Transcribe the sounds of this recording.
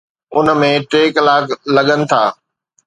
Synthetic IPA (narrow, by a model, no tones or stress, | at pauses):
ʊnə̆mẽʈeːklaːkʰlɐɠənɪ̆t̪ʰaː